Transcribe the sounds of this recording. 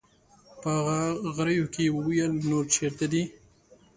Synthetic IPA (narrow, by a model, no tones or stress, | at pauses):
pəaɣaɣɾəjokewwjəlnoɾt͡ʃʰeɾt̪ad̪i